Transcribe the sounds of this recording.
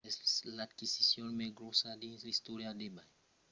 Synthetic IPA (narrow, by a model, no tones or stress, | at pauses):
latkisisjɔ̃nmɛɡɾosadĩsistoɾiadebaj